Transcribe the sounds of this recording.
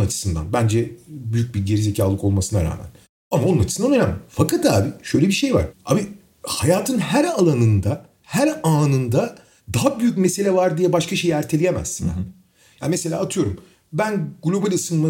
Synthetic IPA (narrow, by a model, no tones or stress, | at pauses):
nat͡ʃʰɯ̥sɯnd̪a̰nbænd͡ʒɛbyjyc̚biɟe̞ɾize̞cʰaːlˠɯko̞lˠmasɯnaɾa̰ːmæ̰n | amao̞nunat͡ʃʰɯsɯnd̪anø̞næmfakat̪aːbiʃø̞jlʲebiʃe̞jva̰ɾ̥a̰ːbi | hajaːt̪ʰɯnɦæɾalˠanɯnd̪a | hæɾaːnɯnd̪a | d̪aɦabyjycmese̞lʲɛvaɾd̪ijɛbaʃkʰaʃe̞jæɾt̪ʰelʲijemæ̰z̥ | ja̰ːnimese̞lʲaːt̪ʰɯjo̞ɾum | bænɡlʲo̞balʲiɯsɯnma